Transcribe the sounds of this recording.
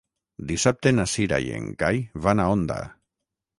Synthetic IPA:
d̪isap̚t̪enasiɾa̰jḛŋɡajβanaond̪a̰

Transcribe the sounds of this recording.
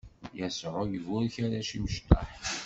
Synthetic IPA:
jæsɾˤʊjəvʊɾçaɾaʃiwʃt̪ɑ̰ħ

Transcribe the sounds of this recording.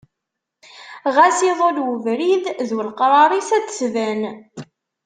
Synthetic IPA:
ʁæsiðˤolwəvɾiððwəlqɾˤɑɾˤisæt͡ssvæn

